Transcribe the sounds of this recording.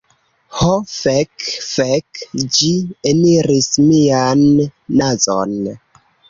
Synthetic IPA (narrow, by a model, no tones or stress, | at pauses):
hofekfekd͡ʒieniɾismianːazo̰n